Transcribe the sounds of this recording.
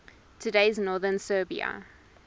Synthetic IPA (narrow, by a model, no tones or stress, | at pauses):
tʰədeɪznɔːðənsɜːbḭə̰